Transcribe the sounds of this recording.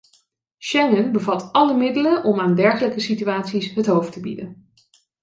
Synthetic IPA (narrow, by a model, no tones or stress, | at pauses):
ʃɛŋənbəvɑtɑləmɪdələnʔɔmaːndɛɹχələkəsityaːtsisɦətɦowftəbḭdən